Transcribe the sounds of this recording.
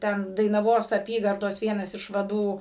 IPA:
ˈtʲɛn dɐɪnɐˈʋoːs ɐˈpʲiːɡɐrdoːs ˈʋʲiɛnɐs ɪʃ ʋɐˈduː

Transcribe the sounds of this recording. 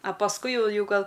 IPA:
ɐ pɐsˈkʊɪ ˈjɛʊ ˈjɛʊ ˈɡɐlˠ

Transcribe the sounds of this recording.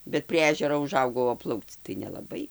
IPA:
bʲɛt pʲrʲiɛ ˈæːʒʲɛroː ʊˈʒɐʊɡɐʊ oː ˈplˠɐʊkt͡s tɐɪ nʲɛlˠɐˈbɐɪ

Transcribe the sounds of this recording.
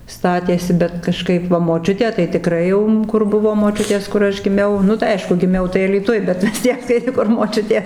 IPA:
ˈstɑːtʲeːsʲɪ bʲɛt kɐˈʃkɐɪp ʋɐ moːˈt͡ʃʲʊtʲeː tɐɪ tʲɪˈkrɐɪ jɛʊ ˈkʊr ˈbʊʋoː moːˈt͡ʃʲʊtʲeːs kʊr ˈɐʃ ɡʲɪˈmʲɛʊ ˈnʊ tɐɪ ˈɐɪʃkʊ ɡʲɪˈmʲɛʊ tɐɪ ɐlʲiːˈtʊj bʲɛt ʋʲɪs ˈtʲiɛk tɐɪ ˈkʊr moːˈt͡ʃʲʊtʲeːs

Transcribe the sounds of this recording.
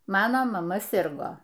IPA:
ˈmɑːnoː mɐˈmɐ ˈsʲɪrɡoː

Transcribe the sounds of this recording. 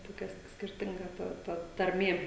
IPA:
toːˈkʲɛ s sʲkʲɪrʲˈtʲɪŋɡɐ ˈtɐ tɐ tɐrʲˈmʲeː

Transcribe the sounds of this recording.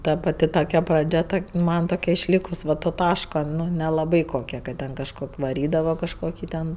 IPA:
ˈtɐ pɐˈtʲɪ toːˈkʲɛ prɐˈd͡ʒʲɛ ˈtoːkʲ ˈmɐn toːˈkʲɛ ɪʃʲˈlʲiːkʊs ˈʋɐ toː ˈtɑːʃkoː nʲɛlˠɐˈbɐɪ koːˈkʲɛ kɐt ˈtʲɛn kɐʃˈkoːkʲ ʋɐˈrʲiːdɐʋɐ kɐʃˈkoːkʲɪ tʲɛn

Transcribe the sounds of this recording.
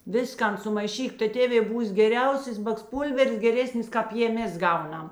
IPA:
ˈʋʲɪskɐn sʊmɐɪˈʃʲiːk tɐɪ ˈtʲeːʋʲeː ˈbuːs ɡʲɛˈrʲɛʊsʲeːs bɐksˈpuːlʲʋʲɛrs ɡʲɛˈrʲæːsʲnʲɪs ˈkɑːp jeː ˈmʲɛs ˈɡɐʊˌnɐm

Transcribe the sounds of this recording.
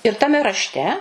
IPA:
ɪr tɐˈmʲɛ rɐʃʲˈtʲɛ

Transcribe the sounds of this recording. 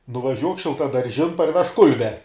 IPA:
nʊʋɐˈʒʲuɔk ʃʲɪlˠtɐdɐrʲˈʒʲɪn pɐrʲˈʋʲɛʃk ˈkʊlʲbʲɛ

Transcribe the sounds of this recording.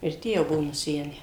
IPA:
ɪr ˈtʲiɛ jɛʊ ˈbuɔ nʊˈsʲæːnʲæː

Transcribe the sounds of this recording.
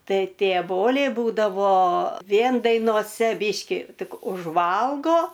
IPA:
ˈtɐɪ ˈtʲeː ˈboːlʲɛɪ ˈbuːdɐʋoː ˈʋʲiɛn dɐɪnoːˈsʲɛ ˈbʲiːʃʲkʲɪ ˈtʲɪk ʊʒˈʋɐlˠɡoː

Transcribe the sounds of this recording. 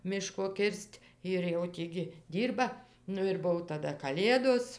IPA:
ˈmʲɪʃkoː ˈkʲɪrʲsʲtʲ ɪr jɛʊ ˈtʲiː ɡʲɪ ˈdʲiːrbɐ ˈnʊ ɪr ˈbʊw tɐˈdɐ kɐˈlʲeːdoːs

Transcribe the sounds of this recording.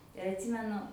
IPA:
ɪr ɐtʲˈsʲiːmʲɛnʊ

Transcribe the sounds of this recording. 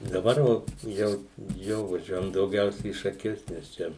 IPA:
dɐˈbɐr ʋɐ ˈjɛʊ ˈjoː ʋɐˈʒʲuɔjɛm dɐʊˈɡʲɛʊsʲɛ iː ʃɐˈkʲʊs nʲɛs ˈt͡ʃʲɛ

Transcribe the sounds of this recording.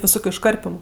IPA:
ʋʲɪˈsoːkʲʊ ɪʃˈkɐrʲpʲɪmʊ

